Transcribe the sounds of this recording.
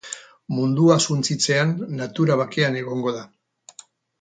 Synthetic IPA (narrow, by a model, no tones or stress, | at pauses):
mund̪uasunt͡sit͡se̞anːat̪uɾaβ̞ake̞ane̞ɣ̞o̞ŋɡo̞ða